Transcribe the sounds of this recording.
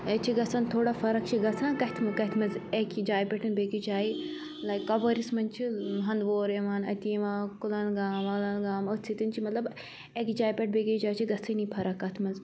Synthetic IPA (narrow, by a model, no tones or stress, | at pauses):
et͡ʃʰiɡɐsɐnt̪ʰoːɽaːfʰɐɾɐk̚t͡ʃʰiɡɐsãːnkɐɦt̪ʰmɐkɐt̪ʰmɐzekd͡ʒaːjipʲɐʈɐnbeːɡid͡ʒaːi | lɐjkːɐbɐɾismɐnt͡ʃʰiɦɐnd̪ʋoːɾeʋaːnɐt̪ieʋãːkulɐnɡaːmɐlɐnɡaːmɐsʰit̪int͡ʃʰimɐt̪lɐb | ekd͡ʒaːjpʲɐʈ̚beɡid͡ʒaːt͡ʃʰiɡɐsɐnipʰɐɾɐkːɐt̪ʰmɐz